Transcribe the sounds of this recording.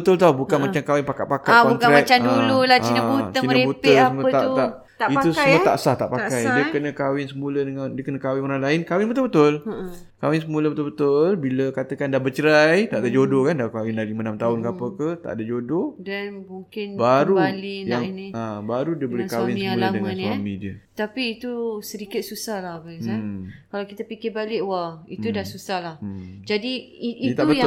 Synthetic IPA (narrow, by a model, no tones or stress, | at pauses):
bət̪ʊlt̪aubukanmat͡ʃamkawɪnpakat̪ʔ̪̚pakat̪kɔnt̪aɾɛak̚amdaululat͡ʃiəbut̪ət͡ʃinəebut̪əsəməat̪a | t̪ait̪usəmut̪a̰ʔsaht̪a̰ʔpakajdiəkənəkawɪnsəmulədəŋandiəkənə̃kawɪnoɾaŋlaɪnkawɪnbət̪ʊlbət̪ʊl | kawɪnsəmuləbət̪ʊlbət̪ʊlbiləkat̪əkandahbət͡ʃəɾajt̪aʔdad͡ʒodokandakawɪndalimənamt̪aʊnkapəkət̪a̰ʔdad͡ʒododanmuŋkɪnbaɾubalijaŋniabaɾudiəbolɛkawɪnsuladəŋannamidiat̪apiːt̪usəɾikɪt̪̚susahlahbaɡisakalawkit̪apikɪbalɪʔwait̪udahsusahlahd͡ʒadiːt̪abəa